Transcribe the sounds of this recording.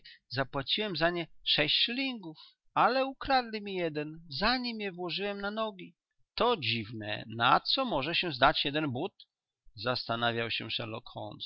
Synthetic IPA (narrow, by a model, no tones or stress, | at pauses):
zapwat͡ɕiwɛmzaɲɛʂɛɕt͡ɕʂlʲiŋɡuf | alɛukɾad̪lʲimʲijɛd̪ɛnzaɲimjɛvwɔʐɨwɛmnanɔɡʲi | t̪ɔd͡ʑivnɛ̰nat̪sɔmɔʐɛɕɛzd̪at͡ɕjɛd̪ɛnbut̪ | zast̪anavʲjawɕɛ̰ʂɛɾlɔ̰kxɔ̰ns